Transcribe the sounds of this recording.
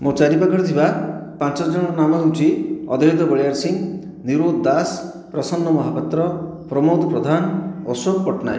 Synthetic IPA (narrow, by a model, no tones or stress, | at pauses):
mot͡ʃaɾipakɔɾt̪ʰibapãnt͡ʃɔd͡ʒɔɽ̃ɔnamɔɦunt͡ʃʰiɔ̰d̪ʱɔɦit̪ɔbɔɭejaɾsiŋ | niɾod̪d̪as | pɾɔsɔnːɔmɔɦapɔt̪ɾɔpɾɔmod̪ɔpɾɔd̪ʱanɔsokpɔʈna̰j